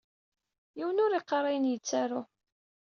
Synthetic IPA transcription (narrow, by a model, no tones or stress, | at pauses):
jiwənʊɾiqːɾˤɑjənjət͡sːæɾʊ